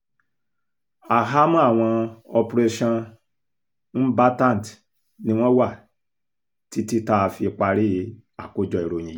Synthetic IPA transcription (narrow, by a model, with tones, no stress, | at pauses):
a˨ɦa˦mũ˦a˦˨w̃ɔ̃˧ɔ˧pɾe˧ʃã˧ | n̩˦ba˦tã˦˨n˨t | nĩ˦w̃ɔ̃˦wa˦˨ | ti˦ti˦ta˦˧fi˧k͡pa˧ɾi˦˨˦a˨ko˦d͡ʒɔ˧˨i˨ɾo˨j̃ĩ˨˦